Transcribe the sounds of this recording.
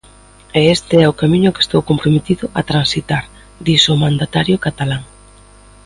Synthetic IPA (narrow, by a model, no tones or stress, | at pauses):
eest̪ɪɛʊkamĩɲʊke̥st̪owkompɾomet̪iðʊʔat̪ɾansit̪aɾ | d̪isʊmãnd̪at̪aɾjʊkat̪alaŋ